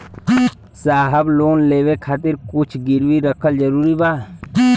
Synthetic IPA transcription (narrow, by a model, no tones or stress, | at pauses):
saːɦəbloːnleːʋekʰaːt̪ɪɾkʊt͡ʃʰɡɪɾwiɾəkʰəld͡ʒəɾuːɾibaː